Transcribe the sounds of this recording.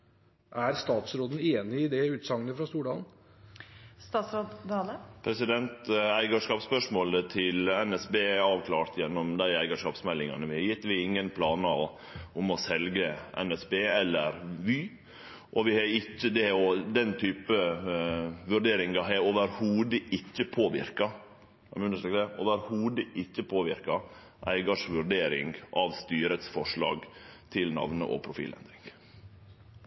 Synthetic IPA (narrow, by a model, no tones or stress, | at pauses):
ʔæɾst̪ɑːt̪sɾoːd̪n̩eːnɪɪd̪ɛʉːt̪sɑŋːənəfɾɑst̪uːɖɑːln̩ | st̪ɑːt̪sɾoːd̪d̪ɑːləpʰɾɛsɪd̪ɛnt̪æɪɡɑʂkɑːpspœʂmoːlət̪ʰɪlɛnɛsbeːɑːʋkʰlɑːɾt̪jɛnːɔmd̪æɪæɪɡəʂkɑːpsmɛlːɪŋɑ̰nəʋɪhɑɾjɪt̪ːʋɪɪŋːənpʰlɑːnə | ʊmɔsɛlɡəʔɛ̰nɛsbeːɛlːəɾʋɪ | ʔɔʋɪhɑɪçːəd̪ɛɔd̪ɛnt̪ʰyːpə | ʋʉɾɖeːɾɪŋɡɑɦɛoːʋəɾhuːd̪əɪçːəpʰoːʋɪ̰ɾkɑ | ɛmʉnəʂɛkd̪ɛʔo̰ːʋəɾhuːd̪əʔɪcːəpʰoːʋɪɾkɑ | ʔæ̰ɪɡɑʂʋʉɾɖ̪eːɾɪ̰ŋɡʔɑʋst̪yːɾət̪sfɔʂɭɑ̰ːɡt̪ʰɪlnɑ̰ʋnə̰ʔɔ̰pʰɾʊfḭːlɛ̰nd̪ɾɪŋɡ